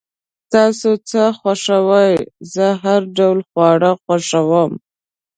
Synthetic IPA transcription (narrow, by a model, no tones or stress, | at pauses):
t̪ɑsot͡səxwaʂawəjzəɦaɾɖawlxwɑɽaxwaʂawəm